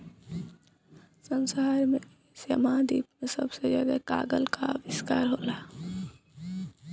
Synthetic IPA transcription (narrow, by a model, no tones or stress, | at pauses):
sənsaːɾmẽ | sjə̰mad̪iːpmẽsəbsed͡ʒaɡɛka̰ːɡəlka̰ʋɪskaːɾɦoːlaː